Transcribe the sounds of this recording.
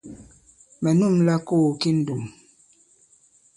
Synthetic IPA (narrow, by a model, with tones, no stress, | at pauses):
mɛ˨nu˦˨mla˦ko˦˨ki˦n̩˦du˨m